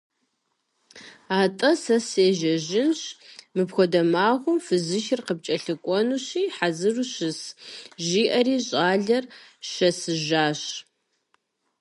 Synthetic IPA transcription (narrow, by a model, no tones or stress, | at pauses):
aːtʼɐsɐseːʒɐʒɪnɕmɨpxʷɔdɐmaːʁʷʊmfɨzɨʃɪrqəp̚t͡ʃʼɐɬɨkʷʼɔnuɕiːħazɨruɕɨsʒiːʔɐriːɕʼaːɮɐrɕɐsɨʒaːɕ